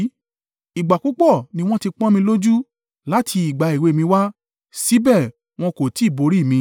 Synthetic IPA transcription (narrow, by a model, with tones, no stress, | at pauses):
i˨ɡ͡ba˨ku˨˦k͡pɔ˦˨nĩ˧˦w̃ɔ̃˦ti˧k͡pɔ̃˦mĩ˧lo˦d͡ʒu˦ | la˦tʰi˧i˨ɡ͡ba˨i˨we˨˦˨mĩ˧wa˦ | si˨˦bɛ˦˨ | w̃ɔ̃˧ko˨ti˨˦i˦˨bo˨˧˦ɾi˦˨mĩ˧